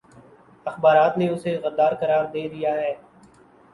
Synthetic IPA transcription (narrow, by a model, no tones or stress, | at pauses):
ɐxbaːɾaːt̪neʊseɣəd̪aːɾkɐɾaːɾd̪eːd̪ɪjaɦɛː